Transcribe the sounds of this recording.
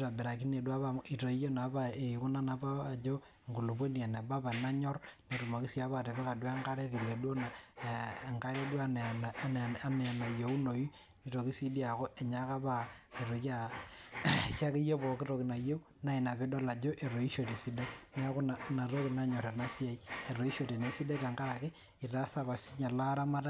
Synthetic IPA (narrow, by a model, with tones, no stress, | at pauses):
ta˨be˨ɾa˨k̬i˦ne˨dwa˦βa˨mi˨to˨i˦jo˦na˨˦ba˦e˨ku˦na˦na˨paː˦˨d͡ʒo˦ | ŋɡu˨lu˨pwe˦ni˨a˨na˨ba˦ba˨na˦ɲɔ˦rne˨tu˨ma˨ki˦si˦a˦βa˦˨te˨pe˦ka˨dwa˦ŋka˦ɾe˦fi˨le˨dwo˦na˨ | ŋka˦ɾe˦dwa˦˨ | a˦ne˨a˨na˨jo˨˦u˦no˨i˦ | ni˨ɾo˨ki˦si˦di˦a˨ko˦ʔe˨ɲa˦ka˦ba˦e˨ɾo˨ka˦ | ʃa˦ki˦jo˦bo˨ki˦ɾo˨ki˨na˨je˦u˦ | na˦i˨na˨be˦do˦la˨d͡ʒo˦ʔe˨ɾo˨i˦ʃo˨te˨si˦da˦ne˦a˦ko˦na˨na˨ɾo˦ki˨na˦ɲɔ˨ɾa˨na˦si˦a˨i˦e˨ɾo˨i˦ʃo˨te˨ne˨si˦de˦ta˨ŋɡa˦ɾa˨ki˦ | i˨ta˦sa˦βa˨si˦ɲa˨la˦ɾa˦ma˦ta˦